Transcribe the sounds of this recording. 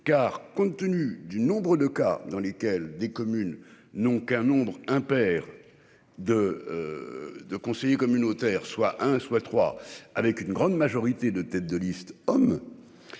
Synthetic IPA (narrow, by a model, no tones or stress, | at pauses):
kaʁkɔ̃t̪ːənyd̪ynɔ̃bʁəd̪əka̰d̪ɑ̃lekʲɛld̪ekɔmynː | ɔ̃kɛ̃nɔ̃bʁɛ̃pɛʁ | d̪ə | d̪əkɔ̃sejekɔmynot̪ɛʁswaʔɛ̃swat̪χwa̰avɛkynɡʁɑ̃d̪maʒɔʁit̪ed̪ət̪ɛt̪̚d̪əlist̪ɔm